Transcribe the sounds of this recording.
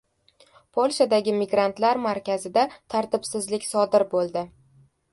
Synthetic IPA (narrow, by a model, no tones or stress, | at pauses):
pʰolˠʃad̪aɡʲɪmɪɡɾant̪laɾmaɾkʲʰazɪd̪at̪ʰaɾt̪ɪbsɪzlɪkʲsɒd̪ɪɾbolˠd̪ɪ